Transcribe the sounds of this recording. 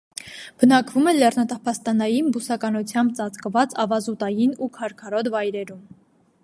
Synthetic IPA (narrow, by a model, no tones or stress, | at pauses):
b̥ənɑkvumɛlɛrnɑt̪ɑpʰɑst̪ɑnɑjinbusɑkɑnut͡sʰjɑmbt͡sɑt͡skəvɑt͡sɑvɑzut̪ɑjinukʰɑɾkʰɑɾɔt̪vɑjɾɛɾum